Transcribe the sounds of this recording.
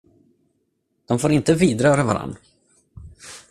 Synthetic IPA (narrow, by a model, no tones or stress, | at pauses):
d̪̥ɔmfoːɾɪnt̪əviːd̪ɾœːɾava̰ɾa̰nː